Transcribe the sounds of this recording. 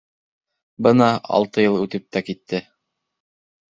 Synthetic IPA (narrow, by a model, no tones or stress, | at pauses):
bɤnɑɑ̰lˠt̪ɤjɤlˠʉt̪ɘp̚t̪ækit̪ʰːɘ